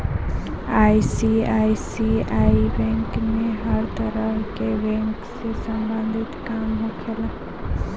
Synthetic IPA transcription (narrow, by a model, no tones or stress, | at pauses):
aːisiaːisiaːibɛ̃ŋkmẽɦəɾt̪əɾəɦkebɛ̃ːŋksesɐ̃mbə̃nd̪ʱɪt̪kaːmɦokʰelaː